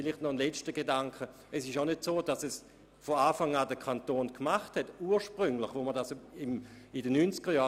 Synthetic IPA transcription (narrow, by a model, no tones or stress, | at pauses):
fɪliχtnɔənlɛt͡ʃtəɡedaŋkχə | ɛsɪʃaʊnødsoːd̥asɛs | foaːfaŋaːdəkʰantoːnkʰmaχthɛtuːɐʃpʁʏŋlɪχʋoməɐdasɪm | ɪdənynt͡sɡ̥əjaː